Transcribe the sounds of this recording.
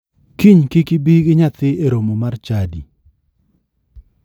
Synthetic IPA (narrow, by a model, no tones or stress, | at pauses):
kiɲkɪkɪbiɡɪɲat̪ɪeɾomomart͡ʃadi